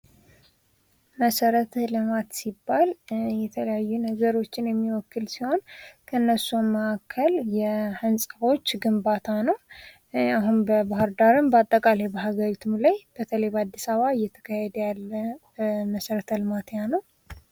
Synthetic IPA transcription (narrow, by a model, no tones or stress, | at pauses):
məsəɾət̪ʰlɨmat̪sibːaljɛt̪ʰələjajːunəɡəɾo̞t͡ʃːɪnjɛmːiwɔkːɨlsiho̞nkʰəɨnːəsuməʔakʰːəljɛhənsʼaβo̞t͡ʃːɡɨmbat̪ʰanəw | aɦunbəbaɦhɨɾd̪aɾɨmbəat̪ʼːəkʼalebəɦaɡəɾit̪ʰɨmlajb̥ət̪ʰələjbəad̪ːisaβaɨjːɛt̪ʰə̥kʰahɛd̪əjalːə | məsəɾət̪ʰəlɨmat̪janəw